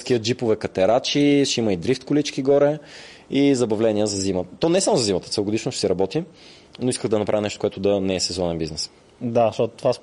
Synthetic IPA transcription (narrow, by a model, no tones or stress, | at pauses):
skiəd͡ʒipʊvɛkɐt̪ɛɾat͡ʃiʃiməid̪ɾift̪kʊlit͡ʃkiɡɔɾɛ | izɐbɐvlɛniəzɐzimət̪ɔnɛsamʊzɐzimɐt̪ət̪sɛɡʊd̪iʃnʊʃɛsɛɾɐbɔt̪i | noiskəɣd̪ɐnɐpɾavinɛʃt̪o̥kʊɛt̪ʊd̪ɐnɛɛsɛzɔnɛnbiznɛs | d̪aʃt̪ɔt̪t̪vas